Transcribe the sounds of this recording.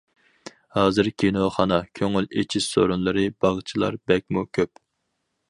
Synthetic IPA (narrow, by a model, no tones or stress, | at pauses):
hɑːzɨɾkʲʰenoχɑnɑkʲʰøŋylet͡ʃʰiz̥so̰ɾunlˠɨɾɨb̥ɑʁt͡ʃʰilˠɑ̰ɾbɛk̚ʲmukʲʰøp̚